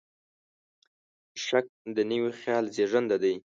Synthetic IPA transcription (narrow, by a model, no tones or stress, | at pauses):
ʃak̚d̪ənəwixjɑlzeʐənd̪ad̪aj